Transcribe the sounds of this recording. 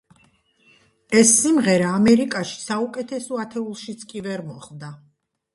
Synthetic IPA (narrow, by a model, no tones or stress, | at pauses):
ɛsːimʁɛɾaːmɛɾikʼaʃi̥saukʼɛt̪ʰɛsɔat̪ʰɛulˠʃit̪sʰkʼivɛɾmɔχlˠd̪a